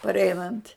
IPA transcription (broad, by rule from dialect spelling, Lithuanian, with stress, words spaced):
pɐrʲˈɛɪnɐnʲtʲ